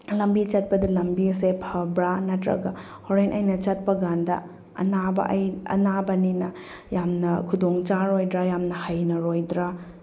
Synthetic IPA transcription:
lɐmbit͡ʃɐt̚pɐdɐlɐmbisepʰhɐbɾanɐtɾɐ̰ɡɐ | hoɾenʔɐjnɐt͡ʃɐt̚pɐɡandɐ̰ | ɐ̰nabɐ̰ʔjɐ̰nabɐninɐ | jamnɐkʰudoŋt͡ʃaɾojdɾajamnɐhajnɐɾojdɾa

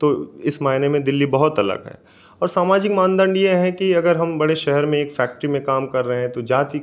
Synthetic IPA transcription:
t̪oːɪsmaːɪnemẽd̪ɪlːibɐɦʊt̪ɐlə̰kɦɛ̰ː | ɔːɾsaːmaːd͡ʒɪkmãːnd̪ə̃ɳɖjeɦɛ̃kiɐɡəɾɦɐmbɐɽeʃɛɦɛɾmẽeːkfɛːk̚ʈɾimẽkaːmkɐɾːɐɦeɦɛ̃t̪od͡ʒaːt̪i

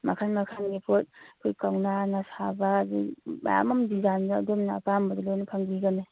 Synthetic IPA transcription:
makʰanmakʰanɡipʰot̚kʰojkawnanasabaːdima̰ja̰mɐmdizanda̰ːdumnaapambɐdɐlojnɐpʰaŋbiɡɐne

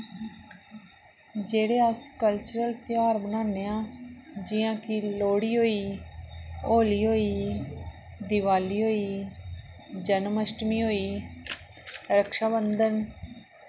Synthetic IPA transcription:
d͡ʒeːɽeːəskəlt͡ʃəɾəlt̪ɪjaːɾbənaːneːãːd͡ʒɪjãːkiːloːɽiːɦoːiː | oːliːɦoːiː | d̪ɪʋaːliːɦoːiː | d͡ʒənməsʈmiːɦoːiː | ɾəkʃaːbənd̪ən

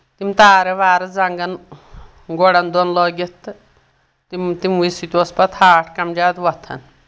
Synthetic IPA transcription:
t̪imt̪aːɾeʋaːɾɐd͡zɐŋɡɐn | ɡɔɽɐnd̪ɔnlɔːɡʲit̪ | t̪imt̪imʋisit̪ʲospɐt̪ʰaːʈʰkɐmd͡ʒaːd̪ʋɐt̪ʰɐ̰n

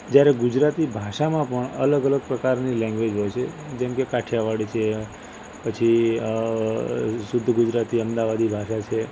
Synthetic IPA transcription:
d͡ʒjaɾeɡʊd͡ʒɾat̪ibʱaʃamãpəɳə̰ləɡələɡ̚pɾəkaɾnilɛ̃ŋɡʋed͡ʒɦojt͡ʃʰed͡ʒɛ̃mkekaʈʰjaʋaɽit͡ʃʰe | pət͡ʃʰi | sʊd̪ʱːɡud͡ʒɾat̪iəmd̪aʋad̪ibʱaʃat͡ʃʰe

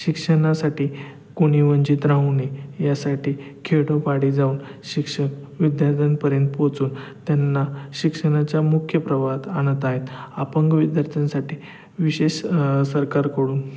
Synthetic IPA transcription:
ɕikʂəɳasaʈiː | koɽ̃iʋəɲd͡ʑiːt̪ɾãɦunejasaʈiːkʰeɽopaɽid͡zauːnɕikʂən | ʋid̪jaɾt̪ʰənpəɾjənt̪pot͡suːnt̪janːaɕikʂəɽ̃at͡ɕjamukʰːjəpɾəʋat̪añət̪aɦet̪apəŋɡʋid̪jaɾt̪ʰənsaʈʰiː | ʋiɕeɕsəɾkaɾkəɽuːn

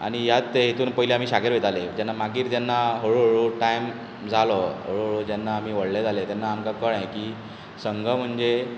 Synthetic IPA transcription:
a̰ɽ̃ijat̪ːeɦet̪uːnpəɦileam̤iːɕaɡeɾʋet̪aled͡ʑ̪anːamaɡiːɾd͡ʑjanːaɦoɭuɦoɭuʈajm | d͡zʱalɔɦoɭuɦoɭud͡ʑjanːaːm̤iːʋəɽled͡zalet̪janːaːmkakəɭãkiː | səŋɡʱəm̤əɳd͡ze

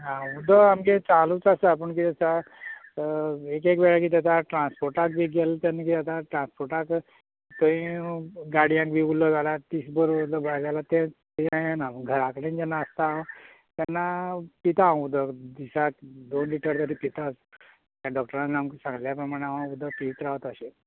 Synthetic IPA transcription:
ɦãud̪ɔamket͡salut͡sasap̬əɳk̬id͡zəsa | ekekʋɛɭak̬iːt̪at̪aʈɾãnspoɾʈak̚bʱiːɡelt̪janːakit̪jat̪aʈɾãnspoɾʈak | t̪oĩɡaɽijãŋk̚bʱiulːəd͡zalat̪isbəɾud̪lɔbad͡zalat̪ẽt̪jãjanaməɡʱəɾakɽẽnd͡ʑɛnːaəst̪ã | t̪janːapit̪aːʋ̃ud̪ʱəd̪isak̚d̪onliʈəɾt̪əɾiːpit̪at͡s | t̪jaɖɔk̚ʈəɾãnnamksãŋɡljapɾəmaɽ̃aʋãud̪ʱəp̪iʋit̪ɾaʋət̪əɕe

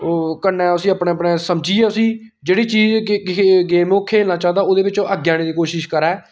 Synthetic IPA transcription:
kənːɛ̃ːʊsĩːəpɳeːəpnẽːsəmd͡ʒiːɛːʊsĩː | d͡ʒeːɽiːt͡ʃiːz | ɡeːmõːkʰeːlnaːt͡ʃaːd̪aːoːd̪eːbɪt͡ʃõːʔəɡjaːñeːd̪iːkoːʃɪʃkəɾɛː

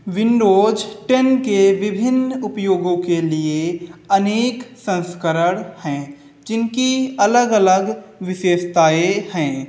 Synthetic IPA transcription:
ʋɪnɖoːd͡ʒʈɛnkeʋɪbʱɪnʊpjoːɡõkelieɐneːksə̃nskəɾəɽhɛ̃ː | d͡ʒɪnkiɐləɡələɡʋɪʃeːʃt̪aːehɛ̃ː

